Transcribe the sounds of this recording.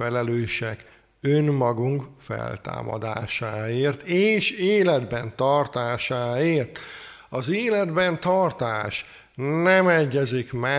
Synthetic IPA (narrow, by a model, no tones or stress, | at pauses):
ɛlɛløːʃɛk | ønmɒɡuŋkfɛ̰lt̪a̰ːmɒ̰d̪a̰ːʃaːeːrt̪ʰeːʃeːlɛd̪bɛnt̪ɒrt̪aːʃaːeːrt̪ | ɒzeːlɛd̪bɛnt̪ɒrt̪aːʃ | nɛmɛɟːɛzikmɛ